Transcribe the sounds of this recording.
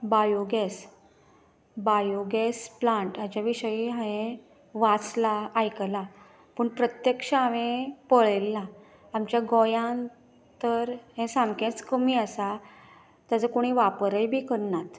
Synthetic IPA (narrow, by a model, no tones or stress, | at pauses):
bajoɡɛs | bajoɡɛsplãɳʈat͡ɕjaʋiɕəjiɦãẽ | ʋat͡slaːjkla | pəːɳpɾət̪jəkʂaaʋẽpəɭelːaː | mt͡ɕjaɡɔjãn | t̪əɾɦẽsãmkẽt͡skəmiːəsa | t̪jad͡zəkoɽ̃iʋapəɾəjbʱiːkəɾɳat̪